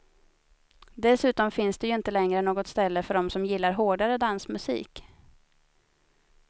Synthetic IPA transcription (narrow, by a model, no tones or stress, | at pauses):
d̪ɛsʉ̟ːt̪ɔmfɪnsd̪ɛjɵɪnt̪əlɛŋɾənoːɡɔt̪st̪ɛlːəfœɖɔmsɔmjɪlːaɾɦoːɖaɾəd̪ansmɵsḭːk